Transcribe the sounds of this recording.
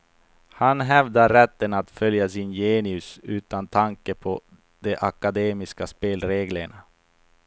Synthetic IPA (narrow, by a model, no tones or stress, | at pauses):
hanɦɛvd̪aɾɛt̪ːənat̪fœljasɪnjeːnɪɵsʉ̟ːt̪ant̪ʰaŋkəpʰɔ | d̪̥ɛʔakad̪eːmɪskaspeːlɾeːɡləɳa